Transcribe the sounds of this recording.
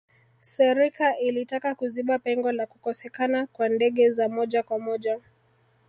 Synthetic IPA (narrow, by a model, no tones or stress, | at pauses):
sɛɾikaʔilitakakuziɓapɛŋɡɔlakukɔsɛkanakwandɛɠɛzamɔʄakwamɔʄa